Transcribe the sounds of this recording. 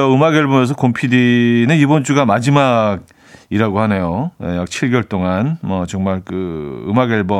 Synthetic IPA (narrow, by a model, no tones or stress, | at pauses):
ʌɯmaɡeɭbʌmʌsʰʌkompʰidinɯnibont͡ɕ͈uɡamad͡ʑimaɡ̚ | iɾaɡohane̞joejak̚t͡ɕʰiɭɡjʌɭt͈oŋanmʌt͡ɕʌŋmaɭkɯɯ̰maɡeɭbʌ